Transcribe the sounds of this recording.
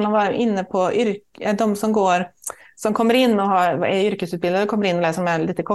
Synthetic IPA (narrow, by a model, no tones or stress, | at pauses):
nɑʋɑɾʔɪnːəpʰɔʔʏɾd̪ɔmsɔmɡoːɾsɔmkʰɔmːəɾɪnːɔɦɑɾɛʏɾkəsʉːt̪̚bɪld̪əɾdɛkʰɔmːəɾɪnːɔlɛːsəɾɔmælɪːt̪ːəkʰɔ